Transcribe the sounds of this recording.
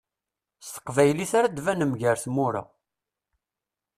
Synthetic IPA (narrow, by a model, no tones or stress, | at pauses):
st̪ə̥qːvæjliθaɾad̪vænəmʝəɾθmʊɾa̰